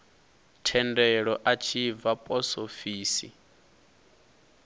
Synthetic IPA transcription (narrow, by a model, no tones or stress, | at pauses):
tʰɛndɛɺɔʔat͡ʃʰivapʼɔsofiːsḭ